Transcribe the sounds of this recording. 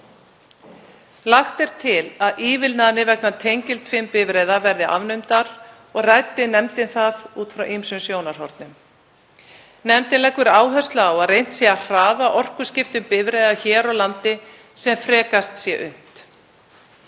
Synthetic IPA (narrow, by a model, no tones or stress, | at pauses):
laxt̪ɛɾ̥t̪ʰɪlaðʔiːvɪlnaðnɪvɛk̚nat̪ʰejɲcɪlt̪ʰfvɪmpɪvɾeːðavɛɾðɪʔa̰vnʏmt̪aɾ | ɔɣrajt̪ɪnɛmt̪ɪnθavuːt̪fɾawʔimsʏmsjoːwnaɾ̥ɦɔ̰ɾt̪nʏm | nɛmt̪ɪnlɛkvʏɾaːwɦɛ̥st̪laːwaðrejn̥t̪sjɛar̥aːvaʔɔr̥kʏ̥scɪft̪ʏmpɪvɾejðaçɛːɾawlant̪ɪ | sɛmfɾɛːkast̪sjɛʔʏ̰m̥t̪